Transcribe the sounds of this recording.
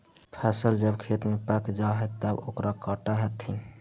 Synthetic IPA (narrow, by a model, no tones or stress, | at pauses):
pʰasəld͡ʒəbkʰet̪mepakd͡ʒaɦət̪ːəbo̰kɾʔakɔʈaɦət̪ʰi